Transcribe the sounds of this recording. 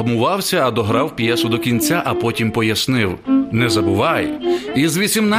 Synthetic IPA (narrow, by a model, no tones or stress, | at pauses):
ɦmʊʋɑwsʲɐːd̪ɔɦɾɑwpjɛsʊd̪ɔkʲinʲt͡sʲaʔɐpɔtʲimpɔjɐsnɪwnɛzɐbʊʋɑjizʋʲisʲimna